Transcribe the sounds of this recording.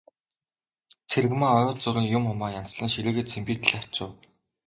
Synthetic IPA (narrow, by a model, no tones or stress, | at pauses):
t͡sʰeɾɣmaɔɾʊːt͡sʊɾɘ̆ŋjʊmχʊmaːjan̥t͡sɮə̆nʃiɮɘ̆ːɣĕːt̪t͡sʰempiːt̪ɘ̆ɮar̥ʲt͡ɕʊːw